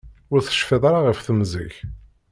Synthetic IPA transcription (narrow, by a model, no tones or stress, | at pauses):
ʊɾθə̥ʃfeðˤaɾaʁəfθəmzḭç